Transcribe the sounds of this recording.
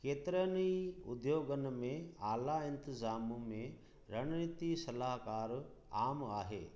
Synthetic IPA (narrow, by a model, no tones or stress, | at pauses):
keːt̪ɾəniʊ̰d̪joːɡənmẽaːlaɪ̃nt̪ɪzaːmumẽ | ɾɐɽ̃nit̪isɐlaːɦkaːɾ | aːmaːɦḛː